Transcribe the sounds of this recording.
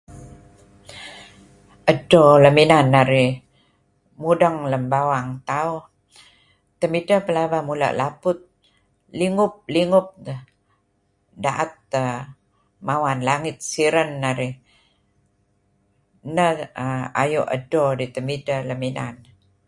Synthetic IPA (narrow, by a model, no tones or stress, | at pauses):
ʔədoləminanːaɾi | mudəŋləmbawaŋt̪au | t̪əmidəpəlabamulə̰ʔlapʊt̪̚ | liŋʊp̚liŋʊp̚ə | daʔət̪̚ə | mawanlaŋit̪̚siɾənːaɾi | nəa̰juʔə̰dodit̪əmidələmina̰n